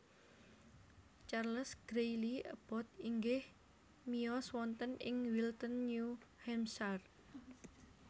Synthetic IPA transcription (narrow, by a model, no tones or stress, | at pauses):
t͡ʃarləsɡ̥ɾejliə̰b̥ɔt̪̚iŋɡɪh | miɔswɔnt̪ənɪŋwilt̪ənːuhɛmsar